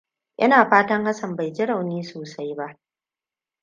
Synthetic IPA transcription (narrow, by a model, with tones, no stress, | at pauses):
ʔɪ̰˦naː˨ɸaː˦tɐ˦ŋha˦sɐ˨mba˨jd͡ʒɪ˦ɽa˨wniː˦soː˨sa˦jba˦ʔ